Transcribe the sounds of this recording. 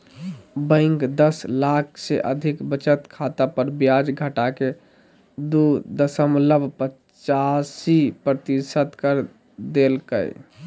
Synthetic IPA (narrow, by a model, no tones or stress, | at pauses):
bə̃ɪŋkd̪əslakʰseʔəd̪ʱikbət͡ʃət̪kʰat̪apəɾbjad͡ʒɡʱəʈake | d̪ud̪əsəmləbʱpə | t͡ʃasipɾət̪isət̪kəɾ | d̪elkə̰j